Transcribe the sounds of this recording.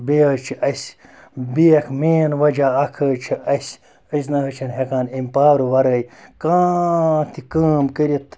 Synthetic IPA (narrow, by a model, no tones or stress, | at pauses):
beət͡ʃʰiɐsʲ | biekʰmeːnʋɐd͡ʒaɐkʰəːt͡ʃʰiɐsʲ | əs̬nɐɦɐt͡ʃʰɐnɦekaːnimʲpaːɾuʋɐɾəjkãːt̪ʰikəːmkəɾit̪ʰ